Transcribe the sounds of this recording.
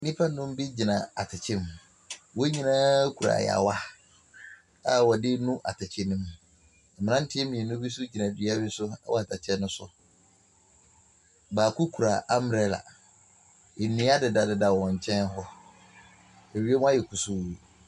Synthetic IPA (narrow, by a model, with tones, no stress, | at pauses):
nĩ˦pʰa˦nʊ̃˦m˦bi˦d͡ʑi˨nã˨a˨tʰɪ˨t͡ɕʰɪ̃˦m | wo˦ɲĩ˦nã˦kʰu˨ɾa̰˨j̰a̰˨wa˦ | a˦wɔ˨dɪ˦nũ˦ʔa˨tʰa˨t͡ɕʰɪ˨nĩ˦m̩˨ | mɪ̃˨nã˦n̩˦tʰɪ˦ɛ˦mĩ˨nʊ̃˦bi˦sʊ˦d͡ʑi˨nã˨dɥa˦bɪ˦sʊ˦a̰˦wɔ˦a˨tʰa˨t͡ɕʰɛ˦nːʊ̃˦sʊ̰˨ | baː˨kʰu˦kʰu˨ɾa˨ʔa˦mɾɛ˨˦la̰˨ | e˨nĩ˨˦a˦dɪ˨da˨dɪ˨da˨wɔ̃˨ɲ̩˨t͡ɕʰɛ̃˦n˦ɦɔ˦ | e˨ɥi˦e˦mʊ̃˦a˦jɛ˨kʰu˨su˦˨